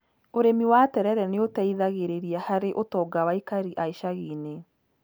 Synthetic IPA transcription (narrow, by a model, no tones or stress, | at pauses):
oɾemiwatɛɾɛɾɛneotaiðaɣeɾeɾiahaɾeʔotɔːɡawaikaɾiʔaiʃaɣiːne